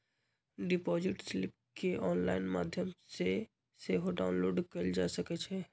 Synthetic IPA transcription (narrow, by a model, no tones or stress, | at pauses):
ɖɪpɔːzɪʈslɪp̚ | keʔɔːnlaːɪnma̰ːd̪ʱjəmse | seɦoɖa̰ːʊnloːɖkəɾld͡ʒa̰ːsəkɛt͡ʃʰɛ